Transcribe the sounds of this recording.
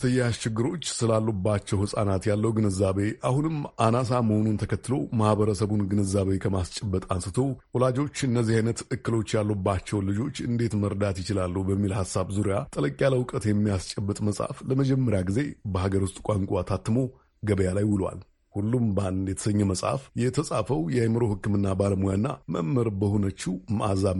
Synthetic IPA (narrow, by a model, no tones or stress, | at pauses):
sʰəjːaʃt͡ʃɪɡːɨɾo̞t͡ʃːsɨlalːubːat͡ʃːɛwhɨsʼanat̪jalːəwɡɨnɨzːaβeʔahunɨmanas̬aməhonunt̪ʰəkʰət̪ːɨlo̞mahβəɾəsəβunɡɨnɨzːaβejkʰəmast͡ʃʼɛbːət̪ʼansɨt̪ʰo̞wɔlad͡ʒo̞t͡ʃːɨnːəzːihajnət̪ɨkːɨlo̞t͡ʃːjalːubːat͡ʃːɛwlɨd͡ʒo̞t͡ʃːɨnd̪e̞t̪məɾd̪at̪jɪt͡ʃɪlalːuhubəmːilhasaβzuɾijat̪ʼələkʼjaləwkʼət̪jɛmːijast͡ʃʼəbːɨt̪ʼməsʼa̰fləməd͡ʒɛmːəɾjaɡize̞bəhaɡəɾwʊst̪ʼkʷʼaŋkʼat̪ʰat̪ːɨmo̞ | ɡəβəjalajwɨlwa̰l | hulːumband̪jɛt̪ʰə̥səɲːɛməsʼha̰fjɛt̪ʰəsʼafəwjɛajməɾo̞hɨkːɨmɨnːabaləmujanːa̰mə̰ʔmːəɾbəhonət͡ʃːumʔaza